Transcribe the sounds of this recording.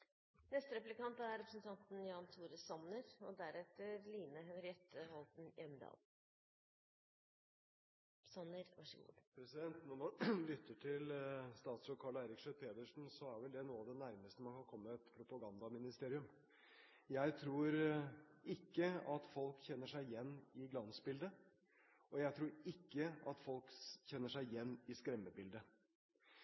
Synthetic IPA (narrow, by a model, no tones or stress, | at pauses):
nɛst̪əɾɛplɪkɑnt̪əæɾɛpɾəsnt̪ʰɑnt̪njɑːnt̪ʰuːɾəsɑnəɾɔd̪æɾɛt̪ːəɾliːnəɦɛnɾɪɛt̪ʰːəhɔlt̪njʔɛmd̪ɑ̰ːl | sɑnːəɾʋɑʂəɡṵːpʰɾɛsɪd̪ɛnt̪nɔɔlʏt̪ːəʈʰɪlst̪ɑːt̪sɔkʰɑːɭæɪɾɪkʂœpʰeːd̪əʂn̩sɔæɾʋɛld̪ɛnuːɑʋd̪ɛnæɾməst̪əmɑnkʰɑnkʰɔmːəɛt̪pʰɾʊpɑɡɑnd̪ɑmɪnɪst̪eːɾɪʉm | jæɪt̪ʰɾuːɾ | ɪkːəɑt̪fɔlkçɛnːəʂæɪjɛnːɪɡlɑnsbɪld̪ə | ʔɔjæɪt̪ʰɾuːɾɪkːəɑt̪fɔlkçɛnːəʂæɪjɛnːɪskɾɛmːəbɪld̪ə